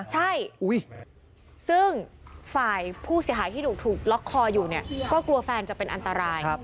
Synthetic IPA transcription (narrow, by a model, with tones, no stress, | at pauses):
t͡ɕʰa˥˩jʔu˦˥j | sɯ˥˩ŋfaː˨˩jpʰuː˥˩si˨˩˦ɦaː˩˦jt̪ʰiː˥˩uː˨˩k̚t̪ʰuː˨˩k̚lɔ˦˥kʰːɔː˧juː˨˩ni˥˩ɐkɔː˥˩klu˧ɐfɛː˧nt͡ɕa˨˩pe˧nʔa˧nt̪a˧ɾaː˧j